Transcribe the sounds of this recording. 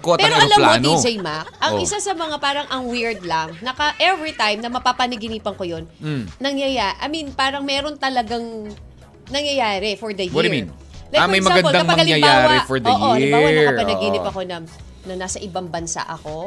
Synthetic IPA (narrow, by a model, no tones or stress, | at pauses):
koɐpɛːɾoɐlamlmakːonod͡ʒɛjmak̚ʔɐŋʔɪsasɐmɐŋapaːɾɐŋʔɐŋwiɹd̪lɐŋnɐkɐʔɛvɹit̪ajmnɐmɐpapɐnɪɡɪniːpɐŋkojo̞n̩nɐŋjɐjaʔɐminpaːɾɐŋmɛːɾo̞nt̪ɐlɐɡaŋ | nɐŋjɐjaːɾɛfoɹd̪ɐjwɔidɹmḭn | lɐjmɐjmmɐɡɐnbod̪aŋmpɐmɐɡɐlɪjɐjaːɾwaɛfɔɾdɐojʔoid̪ɪaɐɐɐpɐɐɡiːnɪpɐko̞nɐ | nɐnaːsɐʔɪbaŋbɐnsa̰ʔɐko̞